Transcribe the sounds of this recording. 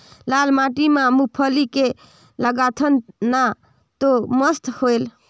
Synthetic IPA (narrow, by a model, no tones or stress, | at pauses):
lalmaʈimãmupʰəlike | ləɡat̪ʰənna | t̪oməst̪hoel